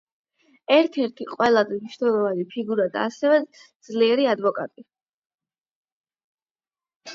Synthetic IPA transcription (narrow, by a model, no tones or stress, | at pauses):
ɛɾt̪ʰɛɾt̪ʰiqʼwɛlˠazɛniʃnɛlˠɔvanipʰiɡuɾad̪a̰ːsɛvɛd̪z̥liɛɾiad̪vɔkʼa̰t̪ʼi